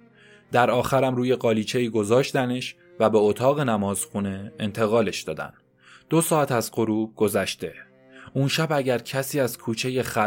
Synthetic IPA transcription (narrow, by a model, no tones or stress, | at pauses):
d̪̥æɾɒːxæɾæmɾuːje̞ɢɒːliːt͡ʃʰe̞iːɡo̞zɒːʃt̪æneʃ | væbeot̪ʰɒːɣe̞næmɒːz̥xune̞ːnt̪ʰe̞ɣɒːle̞ʃd̪ɒ̰ːd̪æ̰n | d̪̥o̞sɒːæt̪æzɢo̞ɾuːb̚ɡ̥o̞zæʃt̪e̞ | unʃæbæɟæɾcʰæsiːæzkʰuːt͡ʃʰe̞je̞xæ